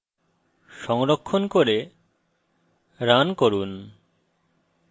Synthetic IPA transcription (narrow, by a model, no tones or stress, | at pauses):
ʃɔŋɾokʰːonkoɾe | ɾankoɾun